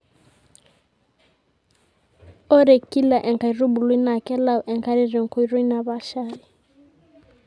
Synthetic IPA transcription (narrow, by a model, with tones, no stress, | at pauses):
ɔ˦ɾe˨ki˦la˨ʔɛ˨ŋ˨ka˨i˨ru˦bu˨lu˦i˦na˨kɛ˦la˦˨u˨ʔɛ˨ŋka˦ɾi˦ri˨ŋ̩˨kʰo˨i˨ru˦i˦na˨βa˦˨ʃa˦ɾi˨